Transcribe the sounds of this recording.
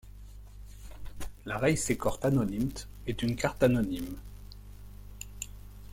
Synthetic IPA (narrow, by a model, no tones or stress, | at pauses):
laʁɛjsekɔʁt̪anɔnimt̪ | ɛt̪ynkaʁt̪anɔnim